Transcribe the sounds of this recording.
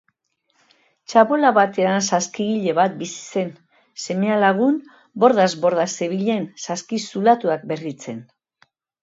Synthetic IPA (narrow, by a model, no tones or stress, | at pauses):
t͡ʃaβo̞laβat̪e̞ansaskiɣiʎe̞βat̪̚bisi̥se̞n | se̞me̞alaɣ̞un | bo̞ɾðazβo̞ɾðase̞βiʎe̞nsaskisulat̪uak̚be̞rit͡se̞n